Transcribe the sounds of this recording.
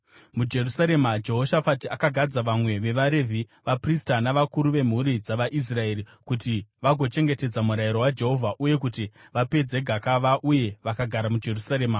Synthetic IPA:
mud͡ʒe̞rusaɾe̞mad͡ʒe̞ɦo̞ʃafatiakaɡʱad͡zaʋamwe̞ʋe̞ʋaɾe̞vʱi | ʋapristanaʋakuɾuʋe̞m̤uɾid͡zaʋaʔis̬rae̞ːɾikutiʋaɡʱo̞t͡ʃe̞ŋɡe̞te̞d͡zamuɾajiɾo̞wad͡ʒe̞ɦo̞vʱaʔuje̞kutiʋape̞d͡zeɡʱakaʋaʔuje̞ʋakaɡʱaɾamud͡ʒe̞rusaɾe̞ːma

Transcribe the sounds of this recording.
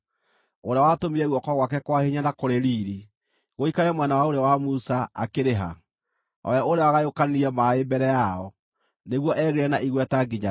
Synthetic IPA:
oɾeawatomiɾɛɣwɔkɔɣwakɛkwaheɲanakoɾeɾiːɾi | ɣoikaɾɛmwɛnawaoɾeawamusaa̰keɾeɦa | ɔ̰jaoɾeawaɣajokaniɾiɛmaebɛɾɛjaɔ | neɣwɔʔɛɣeɾɛnaʔiɣwɛtaɡiɲa

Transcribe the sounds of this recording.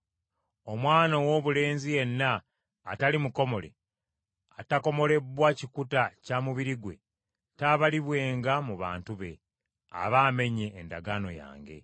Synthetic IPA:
o̞mwaːnowo̞ːβule̞ːnzije̞nːa̰ː | talimuko̞mo̞le̞̰ | atako̞mo̞le̞bwacikutacamuβiɾiɡwe̞̰ | taβaliβwe̞ːŋɡamuβa̰ːntuβe̞̰ | a̰βaːme̞ɲe̞ːndaɡano̞̰ja̰ːŋɡe̞̰

